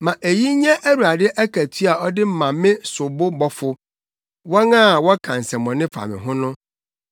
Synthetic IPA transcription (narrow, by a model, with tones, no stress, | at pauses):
mã˨ʔe˨ji˦ɲɛ̃˦ʔæ˦ɾu˨a˨dɪ˦ʔæ˦kʰæ˨tʰi˦a˨ɔ˦dɪ˦m̩˦mã˨mɪ̃˦sʊ˨bʊ˦bɔ˦fʊ˦ | wɔ˦ŋã˦˨wɔ˦kʰã˨n˨sɛ̃˨mɔ̃˨nɪ̃˦fa̰˨mɪ̰̃˨ɦʊ̃˦nʊ̃˦